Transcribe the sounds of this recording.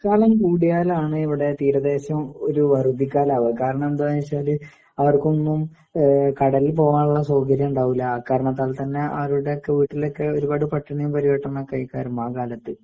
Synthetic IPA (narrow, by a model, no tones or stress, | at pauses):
kaːlɐmkuːɽijaːlaːɳɨiʋiɽe̞t̪iːɾɐðe̞ːɕɐmoɾuʋɐrub̪ikːaːlaːʋɐkaːɾɐɳɐmend̪aajsaːlɨ | ɐʋɐrko̞nːum | kɐɽɐlilpo̞ːʋaːnuɭːɐsoːkɐɾjɐmuɳɖaːʋilːɐːkːaːɾɐɳɐt̪ːaːlt̪ɐnːe̞ɐ̰ʋɐruɽe̞okːe̞ʋiːʈːilo̞kːe̞o̞ɾubaːɽɨpɐʈːɐɳɐjumpɐɾiʋɐʈːɐnːɐkɐjkaːɾɐmaːkaːlɐt̪ːɨ